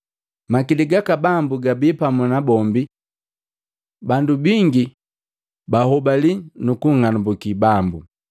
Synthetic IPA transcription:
makiliɡakabambuɡabipamunabɔmbi | bandubiŋɡi | bahɔbalinukuŋanubukibambu

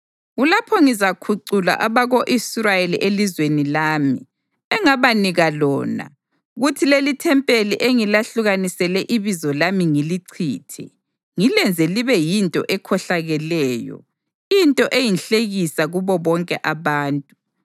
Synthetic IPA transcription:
ɣulapʰɔŋizakʰuǀula̰ʔaβaɣoʔisrajelḭʔelizwenilaːmḭ | ɛŋaβaniɣalɔ̰ːna̰ | ɣutʰilelitʰɛmpʼeliʔeŋilaɬuɣanisɛlɛʔiβizɔlamiŋiliǀʰḭːtʰɛ̰ | ŋilɛnd͡zʱeliβɛjintʼɔ̰ʔɛkʰɔɬaɣɛlɛːjɔ̰ | intʼɔʔejinɬeɣisaɣuβɔβɔŋkʼɛ̰ʔaβaːntʼu̥

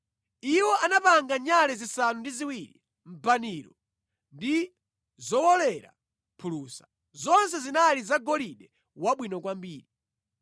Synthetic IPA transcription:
iwɔʔanapaŋɡaɲalɛzisanundiziwiɾḭ | m̩baniːɾɔ | ndi | zɔwɔlɛɾa̰ | pʰulusḁ | zɔnsɛzinalizaɡɔliɗɛ | waɓwinɔkwambiːɾi

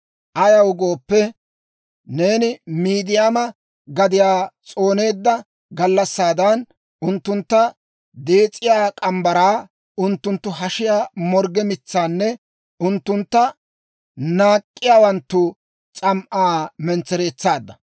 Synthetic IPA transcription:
ʔɐjɐwʊɡoːpːɛ | ne̞ːnɪmiːd̪ɪjamɐ | ɡɐd̪ɪjaːt͡sʼo̞ːne̞ːd̪ːɐ | ɡɐlːɐsːaːd̪ɐn | ʊnt̪ːʊnt̪ːɐ | d̪eːt͡sʼːɪjaːkʼɐmbɐɾaː | ʊnt̪ːʊnt̪ːʊɦɐʃɪjaːmɔɾɡɛmɪt͡sːaːnːɛ | ʊnt̪ːʊnt̪ːɐ | naːkʼːɪjaːwɐnt̪ːʊ | t͡sʼɐmʔaːmɛnt͡sːɛɾe̞ːt͡sːaːd̪ːɐ

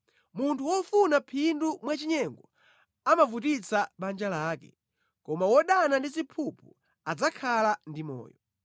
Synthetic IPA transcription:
muntʰuwɔfunapʰindumwat͡ʃiɲɛŋɡɔ | amavutit͡sʰaɓand͡ʒalaːkɛ | kɔmawɔɗanandizipʰupʰu | ad͡zakʰalandimɔ̰ːjɔ

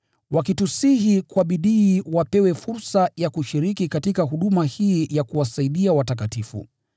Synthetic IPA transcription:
wakitusihikwaɓiɗiːwapɛwɛfuɾsajakuʃiɾikikatikaɦuɗumahiːjakuwasaiɗiawatakatifṵ

